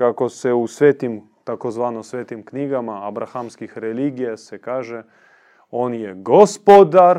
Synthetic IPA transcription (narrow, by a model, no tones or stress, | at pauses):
kako̞seusʋeːt̪imt̪akozʋaːnosʋeːt̪imkniɡamaabɾaxamskixɾeliːɡijasekaːʒe | o̞ːnjeɡospod̪aɾ